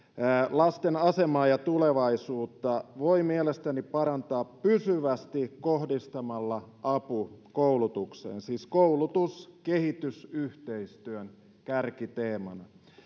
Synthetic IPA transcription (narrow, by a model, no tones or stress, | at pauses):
lɑst̪enɑsemɑːjɑt̪uleʋɑisuːt̪ːɑʋoimielest̪ænipɑɾɑnt̪ɑːppysyʋæst̪ikkohdist̪ɑmɑlːɑʔɑpukoulut̪uksḛːnsiːskoulut̪uskehit̪ysyht̪eist̪yøn | kærkit̪eːmɑnɑ̰